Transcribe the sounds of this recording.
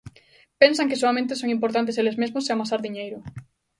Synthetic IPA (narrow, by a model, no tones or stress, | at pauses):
pensaŋkesoamẽnt̪esoŋĩmpoɾt̪̬ant̪̬eselezmezmoseamasaɾðiɲejɾʊ